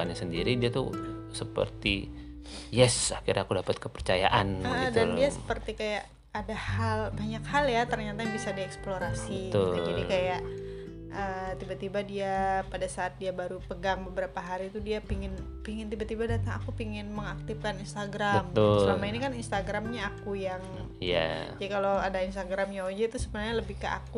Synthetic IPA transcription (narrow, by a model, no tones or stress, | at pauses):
anɲasəndiɾidiat̪ṵsəpə̰rt̪ḭ | jɛsakirɲakudapat̪̚kəpərt͡ʃaja̰ʔanəd̪adiasə̥pərt̪ikajaʔ | adahalbaɲakhaljat̪ərɲat̪aabisadiɛksploɾasit̪ʊldaikajaʔ | ʔət̪ibat̪ibadiapadasaːt̪̚diabaɾupəɡaŋbəbəɾapaɦaɾit̪udiapiŋɪn | piŋɪnt̪ibat̪ibadat̪aŋa̰kupiŋɪnməŋak̚t̪ɪfkaninst̪aɡɾaəmʊsəlamainikaninst̪aɡɾamɲaːkujaŋ | ja̰d͡ʒadikaloadainst̪aɡɾamɲaod͡ʒɛt̪usəbənarɲaləbɪhkəʔa̰ku